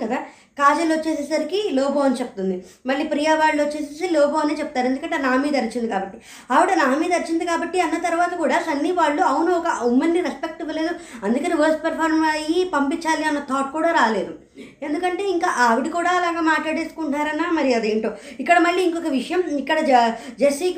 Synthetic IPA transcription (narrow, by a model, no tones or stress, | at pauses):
kɐd̪aː | kaːd͡ʒɐlot͡ʃːe̞ːs̬eːsɐɾikilɔːboːɐnit͡ʃepu̥t̪und̪i | mɐɭːiːpɾijaːʋaːɭːot͡ʃːe̞ːs̬eːsilɔːboːɐneːt͡ʃeput̪aːɾue̞nd̪ukɐɳʈːenaːmid̪ɐɾit͡ʃind̪ikaːbɐʈːi | aːʋɐʈɐnaːmiːd̪ɐɾit͡ʃind̪ikaːbɐʈːiɐnːɐt̪ɐɾuʋaːt̪ɐkuːɽaːsɐnːiʋaːɭːuɐwunuɔkɐumɐnːiɾespek̚ʈɐbule̞ːd̪uɐnd̪ukɐniʋɐɾsʈ̚pɐɾpʰaːɾmɐjipɐmpiɲt͡ʃaːliɐnːɐt̪ʰaːʈ̚kuːɽaːɾaːleːd̪u | e̞nd̪ukɐɳʈe̞ːiŋkaːʔaːʋiʈikuːɽaːɐlaːɡaːmaːʈlaːɽe̞ːsu̥kuɳʈnaːɾɐnːaːmɐɾiɐd̪eːɳʈoːikːɐɽɐmɐɭːiːiŋkɔkɐʋiʂɐjɐmikːɐɽɐ | d͡ʒesi